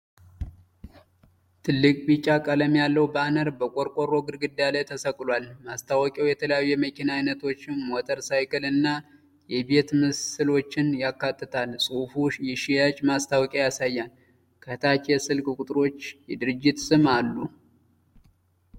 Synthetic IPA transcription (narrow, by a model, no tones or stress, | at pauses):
t̪ʰɨlːɨkʼbit͡ʃʼːakʼələmjalːəwbanəɾbəkʷʼoɾkʼoɾo̞ɡɨɾɡɨd̪jalajt̪ʰəsəkʼlwalmast̪ʰawɔkʼɛwjɛt̪ʰələjajuːɛməkʰinaːjnət̪ʰo̞t͡ʃːɪnmot̪ʼəɾsajkɨlɨnːa | jɛbe̞t̪mɨsɨlo̞t͡ʃːɪnjakːat̪ʼːɨt̪ʰalsʼufuʃjɛʃijat͡ʃʼmast̪ʰawɔkʼajasajːan | kʰət̪ʰat͡ʃjɛsɨlkʼkʼut̪ʼɾo̞t͡ʃːjɛd̪ɨɾɨd͡ʒːɪt̪sɨmalːu